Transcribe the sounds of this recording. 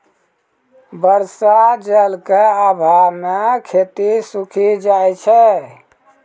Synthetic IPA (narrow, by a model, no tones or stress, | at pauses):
bəɾsad͡ʒəlkeabʱamekʰet̪isukʰid͡ʒajt͡ʃʰɛ